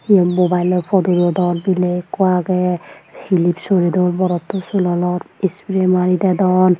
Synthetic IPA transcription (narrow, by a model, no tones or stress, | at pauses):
iɔmobajlɔpʰɔduɾɔd̪ɔɹbilekːɔaɡɛhilipsoɹidɔɹbɔɾɔtːɔsulɔlɔtispɹemaɹidadɔn